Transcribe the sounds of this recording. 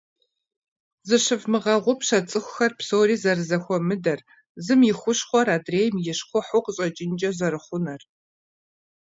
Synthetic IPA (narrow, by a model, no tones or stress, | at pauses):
zɨɕɨvmɨʁɐʁʷʊpɕɐt͡sʼɨxʷʊ̥xɐrpsoːriːzɐrɨzɐxʷɔmɨdɐr | zɨmjɪxʷʊɕχʷɔraːdreːjmjɪɕqʷʊħʊqəɕʼɐt͡ʃʼɪnd͡ʒʼɐzɐɾɨχʷʊnɐr